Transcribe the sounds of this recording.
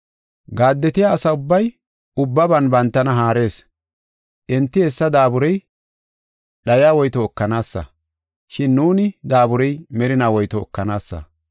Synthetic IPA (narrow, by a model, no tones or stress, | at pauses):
ɡaːd̪ːɛt̪ɪjaːsɐʊbːɐj | ʊbːɐbɐnbɐnt̪ːɐnɐɦaːɾe̞ːs | ʔɛnt̪ːɪhɛsːɐd̪aːbʊɾɛj | ɗɐjaːwɔjt̪ɔːkːɐnaːsːɐ̰ | ʃɪnːuːnɪd̪aːbʊɾɛjmɛɾɪnaːwɔjt̪ɔɔ̰kːɐnaːsːɐ̰